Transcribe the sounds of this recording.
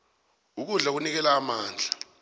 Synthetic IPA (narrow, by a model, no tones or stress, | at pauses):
uk̬uɮak̬unik̬ɛlaːmaːnd͡ɮʱa